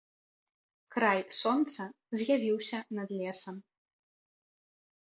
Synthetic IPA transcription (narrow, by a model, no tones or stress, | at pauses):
kɾajsɔnt̪sɐ | zʲjavʲiwsʲɐnɐd̪lʲɛsɐm